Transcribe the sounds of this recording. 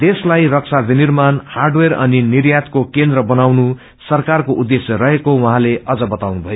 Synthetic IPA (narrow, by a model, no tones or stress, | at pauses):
d̪̥eslajrʌk̚sʰabinirmanharɖwerʌninirjat̪kokend̪ɾʌbʌnawnu | sʌrkarkoʔud̪ːesjʌrʌɦekowʌɦãleʔʌd͡zʌbʌt̪awnubʱʌjo